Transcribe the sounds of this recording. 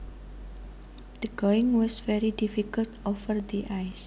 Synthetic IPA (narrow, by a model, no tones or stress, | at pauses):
d̪̥əɡɔɪ̃ŋwɔsvɛɾidifikəlt̪ofərd̪iʔajs